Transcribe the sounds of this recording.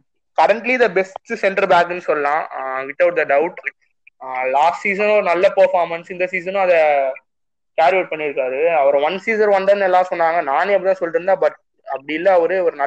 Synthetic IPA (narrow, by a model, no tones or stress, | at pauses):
kɐɾɐɳʈlid̪ɐbɛsʈɯsɛɳʈɐɾbaːkɛnːɯsɔlːɐlãːʋɪt̪ːɐʊʈ̚d̪ɐɖɐʊʈ | laːsʈsiːs̬ɐnɔɾɯnɐlːɐpɐɾfaːɾmɐnsɪnd̪ɐsiːs̬ɐnːʊ̃ɐðɐ | kaːɾʋeːʈ̚pɐɳːɪɾɯkːaːðɯɐʋɐɾʋɐnsiːs̬ɐɾʋɐnd̪ɐnɛlːãːsɔnːaːŋɡɐnaːneɐpːɐɪt̪ãːsɔlːɾɯnd̪abɐʈ̚ | ɐpːɐɽɪɪlːɐɐʋɐɾɯʋɐɾɯnɐ